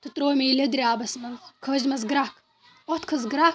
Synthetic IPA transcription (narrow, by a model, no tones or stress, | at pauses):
t̪ɨt̪ɾoːmʲelɐd̪ɾʲiaːbɐsmɐnzkʰəʑmɐzɡɾak | ot̪kʰɐzɡɾa